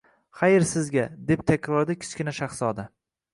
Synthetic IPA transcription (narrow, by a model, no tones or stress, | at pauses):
χajɪɾsɪzɡʲad̪e̞p̚t̪ʰakʲʰɾɒɾd̪akʲʰɪ̥t͡ʃ̪kʲɪnaʃaχsɒd̪a